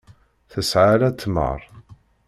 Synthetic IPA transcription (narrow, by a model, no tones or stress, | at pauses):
θəsʕalæt͡sːmə̰ɾˤ